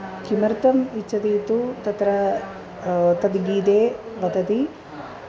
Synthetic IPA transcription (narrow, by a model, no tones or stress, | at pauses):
kimɐɾt̪ɐmit͡ʃːɐt̪iːt̪ut̪ɐt̪ɾɐ | t̪ɐd̪ɡiːd̪eːʋɐt̪ɐt̪i